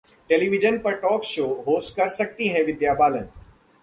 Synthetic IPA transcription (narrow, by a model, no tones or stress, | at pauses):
ʈeːliʋɪd͡ʒənpɐɾʈɔːkʃoːɦoːsʈkɐɾsɐk̚t̪iɦɛ̃ʋɪd̪jaːbaːlə̃n